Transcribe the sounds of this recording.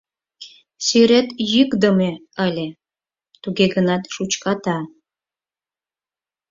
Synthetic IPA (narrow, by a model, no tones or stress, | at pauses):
syɾet̪jɨkd̪ə̆meəlʲe | t̪uɡeɡənɑt̪ʃut͡ɕkɑt̪ɑ